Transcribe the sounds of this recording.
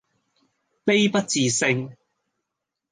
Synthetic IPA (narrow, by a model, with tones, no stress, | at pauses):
pe˥jpɐ˥t̚t͡siː˨sɪ˧ŋ